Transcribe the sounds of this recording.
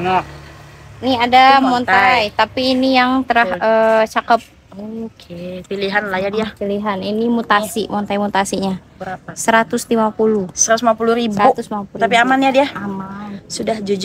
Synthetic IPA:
nɔ | niadammɔnt̪ajt̪apiːnijaŋt̪əɾahət͡ʃakəp̚ | okʰepiliɦanlahjadiapiliɦaninimut̪asimɔnt̪ajmut̪asiɲabəɾaasəɾat̪ʊslimapulusəɾat̪usmapuluɾibaʊt̪ʊsapuɾapiamanjadiaamansudahd͡ʒud͡ʒ

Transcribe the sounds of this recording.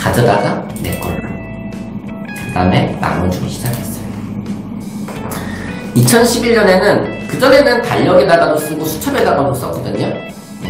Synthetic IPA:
kad͡ʑʌdaɡa | ne̞̰k͈ʌ̰n | kɯda̰me̞na̰ŋɯɭt͡ɕomɕʰid͡ʑakʰes͈ʌjo | it͡ɕʰʌnɕʰibiʎːʌne̞nɯnkɯd͡ʑʌne̞nɯntaʎːʌɡenaɡados͈ɯɡosʰu̥t͡ɕʰʌbenaɡados͈ʌk͈ʌdɯɲo

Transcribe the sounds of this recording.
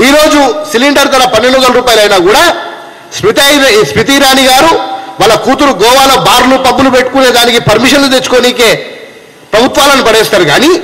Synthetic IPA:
iːɾo̞ːd͡ʒusiliɳɖɐɾt̪̬ɐɾɐpɐnːeɳɖukɐlɐɾuːpaːjilɐjnaːkuːɽaː | spit̪spit̪̬iɾaːniɡaːɾuʋaːlːɐkuːt̪uɾuɡɔːʋaːloːbaːɾlupɐbːulupe̞ʈːu̥kune̞ːd̪aːnikipɐɾmiʃɐnlut̪et͡ʃːu̥ko̞ːniːke̞ː | pɾɐbʱut̪ʋaːlɐnipɐɽɛːst̪aːɾuɡaːni

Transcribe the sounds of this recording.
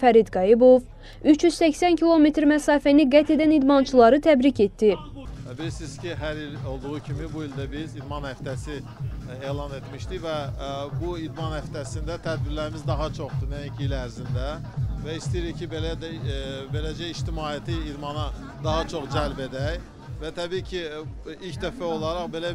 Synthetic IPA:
fæɾid̪ɡɑjibo̞v | yt͡ʃʰjyz̥sæçsæncʰilˠo̞met̪ʰɾmæsɑːfæniɡæt̪ʰe̞d̪ænid̪mɑnt͡ʃʰulˠɑɾɯt̪ʰæbɾice̞t̪ːi | bilisiz̥cʰiɦæɾilo̞lˠd̪uʁucʰimibuild̪æbizid̪mɑnhæft̪ʰæsi | eːlˠɑne̞t̪miʃt̪ivæbuid̪mɑnhæft̪ʰæsind̪æt̪ʰæd̪̚biɾlæɾimizd̪ɑɦɑt͡ʃʰo̞χd̪unæjicʰiilæɾzind̪æ | væist̪ijiɾicʰibelæd̪be̞læd͡ʒæiʃt̪imɑːijæt̪ʰiːd̪mɑnɑ | d̪ɑɦɑt͡ʃʰo̞χd͡ʒælbe̞d̪æj | væt̪ʰæbiːcʰiilcd̪æfæo̞lˠɑɾɑχbe̞læ

